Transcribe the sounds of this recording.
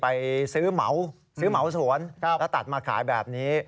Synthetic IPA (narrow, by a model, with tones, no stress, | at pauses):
pa˧jsɯː˦˥ma̰˩˦w | sɯː˦˥ma˨˩˦wsu˩˦ən˦ɛː˦˥wt̪a˨˩t̪̚maː˧kʰa̰ː˩˦jbɛː˨˩p̚niː˦˥